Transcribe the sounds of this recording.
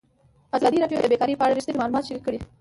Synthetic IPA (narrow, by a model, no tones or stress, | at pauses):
azlɑd̪iɾɑʈjod̪əbekɑɾipəaɽaɾist̪enimɑlumɑt̪ʃəɾikəɽi